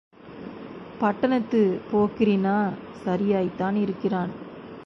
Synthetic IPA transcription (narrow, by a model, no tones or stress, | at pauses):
pɐʈːɐnɐt̪ːɯpoːkɪɾinaːsɐɾɪjaːjt̪ːaːnɪɾɯkːɪraːn